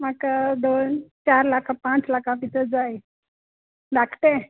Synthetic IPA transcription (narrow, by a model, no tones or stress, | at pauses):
makad̪ont͡ɕaɾlakãpãt͡slakãpit̪ʰəd͡zaj | d̪akʰʈ̪e